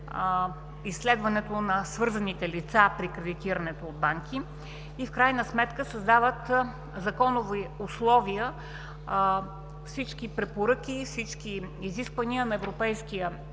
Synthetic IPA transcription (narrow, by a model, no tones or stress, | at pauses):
isːlɛd̪vɐnɛt̪onɐsvɤɾzɐnit̪ɛlit̪sapɾikɾɛd̪it̪iɾənɛt̪oːd̪̚baŋki | ifkɾajnəsmɛt̪kəsəzd̪avət̪ | zɐkɔnʊviʊslˠɔviə | fsit͡ʃkipɾɛpoɾɤkʲifsit͡ʃkiiziskvəniənɐɛvɾopɛjskijə